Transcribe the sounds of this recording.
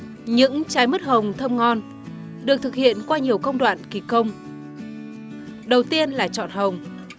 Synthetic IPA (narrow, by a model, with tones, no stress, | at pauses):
ɲɨ̰˧˥ŋt͡ɕaː˨˦jmə˦˥t̚hə˨˩wŋ͡mt̪ʰə˧mŋɔ˧n | ɗɨ˨˩ək̚t̪ɨ˨˩k̚hḭ˧˨ənkwaː˧ɲi˨˩əwkə˧wŋ͡mɗwa̰ː˧˨nki˨˩kə˧wŋ͡m | ɗə˨˩wt̪i˧ənlaː˨˩t͡ɕɔ̰˧˨nɦə˨˩wŋ͡m